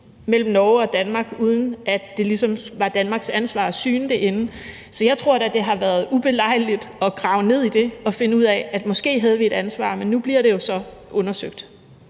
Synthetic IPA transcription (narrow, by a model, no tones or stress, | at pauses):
mel̰m̩nɒʊɒ̽d̥ænmɑ̈ːɡ̥uːð̞ˠn̩æd̥e̝lisɒ̽mʋɑ̈d̥ænmɑ̈ːɡ̥sænsʋɑ̰̈ːsyːnd̥eʔe̝nə | sɒ̽jɑ̈ɪt͡sʰʁo̝ɐ̰ɾæd̥e̝ɦɑ̈ʋæːɐð̞̩ˠub̥e̝lɑ̈ɪ̰lid̥ɒ̽ɡ̥ʁɑ̈ʊne̝ð̞̰ˠid̥e̝ɒ̽fe̝nəuð̞̰ˠɛæd̥mɒ̽sɡ̥e̝̰ːɦæð̞ˠəʋie̝ɾ̥ænsʋɑ̰̈ːmenːub̥liɐɾ̥e̝jo̝sɒ̽ʔɔ̽nɐsøɡ̥̚d̥